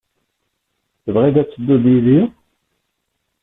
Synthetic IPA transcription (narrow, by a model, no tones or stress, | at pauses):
θəvʁiðæt͡sːəd̪ːuðiði